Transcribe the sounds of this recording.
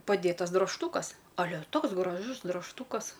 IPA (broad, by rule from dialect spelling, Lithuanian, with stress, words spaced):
pɐˈdʲeːtɐs droːʃˈtuːkɐs ɐˈlʲɛ ˈtoːks ɡrɐˈʒʊs drɐʃˈtuːkɐs